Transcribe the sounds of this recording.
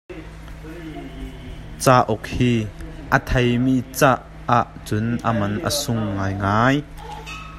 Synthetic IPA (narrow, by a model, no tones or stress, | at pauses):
t͡saːʔɔk̚hiːʔət̪ʰejmiːt͡saʔːaʔt͡sʊnʔəmɐnʔə̰sʊŋːaːjŋaːj